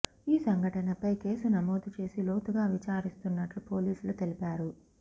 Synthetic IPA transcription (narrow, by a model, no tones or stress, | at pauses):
iːsɐŋɡɐʈɐnɐpɐjke̞ːsunɐmoːd̪ut͡ʃe̞ːsiloːt̪uɡaːʋit͡ʃaːɾist̪unːɐʈlupo̞ːliːsulut̪e̞lipaːɾu